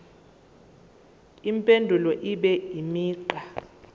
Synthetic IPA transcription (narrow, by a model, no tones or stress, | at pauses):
impʼendʱulɔʔiɓɛimiːǃa